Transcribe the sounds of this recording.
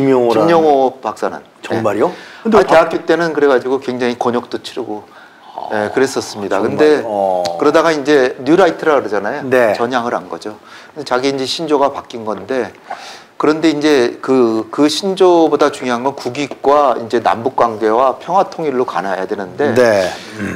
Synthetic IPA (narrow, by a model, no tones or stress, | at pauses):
imʌŋmjʌŋopak̚s͈anɯ̰n | ʌeŋmaɾoateɦak͈jet͈e̞nɯnkɯɾe̞ɡad͡ʑiɡokwe̞ŋd͡ʑaŋikʌɲʌk̚t͈ot͡ɕʰiɾiɡo | je̞kɯɾes͈ʌs͈ɯmɲidaakɯnde̞kɯɾʌdaɡaind͡ʑe̞njuɾaitʰɯɾaɾid͡ʑanajonet͡ɕʌɲɦaŋɯɾanɡʌd͡ʑo | kɯdet͡ɕaɡiind͡ʑe̞ɕʰind͡ʑoɡapak͈inɡʌnde̞ | kɯɾʌnde̞ind͡ʑe̞kɯkɯɕʰind͡ʑobodat͡ɕuŋjoɦanɡʌnkuɡik̚k͈waind͡ʑe̞na̰mbuk̚k͈waŋɡe̞wapʰjʌŋɦwatʰoŋiɭːoka̰najadwe̞nɯnde̞ne